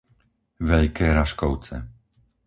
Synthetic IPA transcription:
ʋɛʎkɛːɾaʃkɔʊt͡sɛ̰

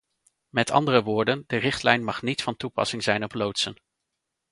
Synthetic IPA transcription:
mɛtɑ̰ndərəʋʊːɹdəndərɪχtlɛjnmɑχnitfɑntupɑ̰sɪŋzɛjnɔplowtsən

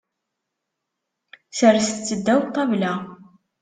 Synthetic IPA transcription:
səɾst͡sːəd̪ːæwt̪ˤːɑvlæ

